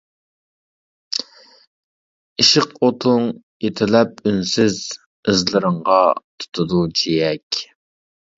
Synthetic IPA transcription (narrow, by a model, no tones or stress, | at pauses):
iʃɪqot̪ʰʊŋ | et̪ʰɪlɛp̚ynsɪz | ɨzlˠɨɾəŋʁɑt̪ʰu̥t̪ʰud̪ud͡ʒijɛkʲ